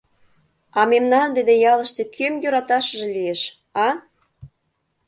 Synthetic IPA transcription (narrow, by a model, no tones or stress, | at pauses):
ɑmemnɑnd̪ed̪ejɑlə̆ʃt̪e̽kʰømjøɾɑt̪ɑʃə̆ʒĕlieʃ | ɑ